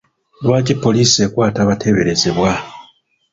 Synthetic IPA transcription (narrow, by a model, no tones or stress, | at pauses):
lwaːcipːo̞liːsie̞kwaːtaβatʰe̞βe̞ɾe̞ze̞βwa